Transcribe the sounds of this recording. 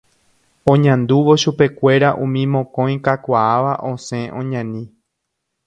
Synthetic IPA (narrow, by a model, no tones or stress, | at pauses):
õ̞ɲãnd̪uʋo̞ʃupe̞kʷe̞ɾaʔũmĩmõ̞kõ̞j̃kakʷaaʋaʔõsẽ̞ʔõɲãnĩ